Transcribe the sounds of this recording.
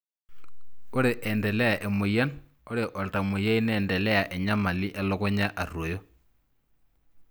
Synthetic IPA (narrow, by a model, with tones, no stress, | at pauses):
o˦ɾe˨ʔɛ˨ndɛ˨lɛ˦a˨ʔe˨mo˨ja˦n | o˦ɾe˨ʔo˨lta˨mo˨ja˦i˦nɛː˨ndɛ˨lɛ˦ja˨ʔe˨ɲa˦ma˨li˦ʔɛ˦lo˦ko˦ɲa˦ʔa˨ɾwo˨jo˦